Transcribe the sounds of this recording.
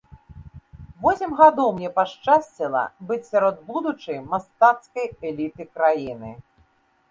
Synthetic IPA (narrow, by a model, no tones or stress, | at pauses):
vɔsʲɛmɣad̪ɔwmnʲɛpaʂt͡ʂasʲt͡sʲilˠɐ̰bɨt͡sʲsʲaɾɔd̪̚bud̪ut͡ʂɨjmast̪at̪skɐjɛlʲit̪ɨkɾajinɨ̰